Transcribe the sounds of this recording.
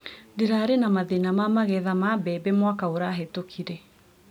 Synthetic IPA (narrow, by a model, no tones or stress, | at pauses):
deɾaɾenamaðenamamaɣɛðamabɛbɛmwakaoɾaɦetokʰiɾɛ